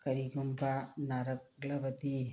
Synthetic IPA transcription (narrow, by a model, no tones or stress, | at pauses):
kɐɾikumpanɐɾɐklɐbɐt̪i